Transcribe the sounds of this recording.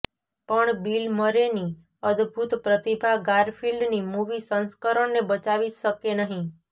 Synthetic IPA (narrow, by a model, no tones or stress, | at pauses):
pəɳbilməɾeni | əd̪bʱut̪pɾət̪ibʱaɡaɾfʰilɖnimuʋisə̃nskəɾəɳnebət͡ʃaʋiʃəkenəɦĩ